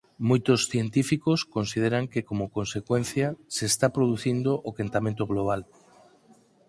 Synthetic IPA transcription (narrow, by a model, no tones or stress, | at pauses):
mojt̪osθjent̪ifikoskonsiðeɾaŋkekomokonsekwẽnθjasest̪apɾoð̞uθind̪oʔokent̪amẽnt̪oɣloβ̞al